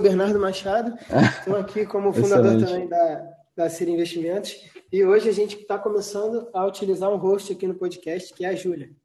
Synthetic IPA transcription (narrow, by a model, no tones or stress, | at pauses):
beɾnaɾd̪ʊmaʃad̪ʊat̪ɐ̃w̃akʰikõmʊfũd̪ad̪oɾɾt̪ɐ̃mbẽj̃d̪ɐ | d̪ɐseɾĩveʃt͡ʃimẽnt̪ʊsɪoʒɪaʒẽnt͡ʃɪ̥t̪akõmesɐ̃nd̪ʊɐut͡ʃilizaɾũɦoʃt͡ʃɪakinʊpɔd͡ʒikɛʃt͡ʃɪ̥kɪɛɐʒulʲɐ